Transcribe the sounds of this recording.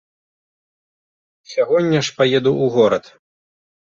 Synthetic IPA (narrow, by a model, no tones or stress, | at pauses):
sʲaɣɔnʲːɐʂpajɛd̪uuɣɔɾɐt̪